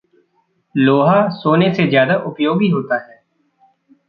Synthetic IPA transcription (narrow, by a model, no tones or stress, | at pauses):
loːɦaːsoːnesezjaːd̪aːʔʊpjoːɡiɦoːt̪aɦɛː